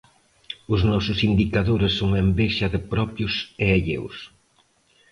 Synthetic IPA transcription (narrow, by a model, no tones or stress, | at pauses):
ʊznɔsʊsind̪ikaðoɾɪsːoŋembeʃɐðɪpɾɔpjʊseeʎḛws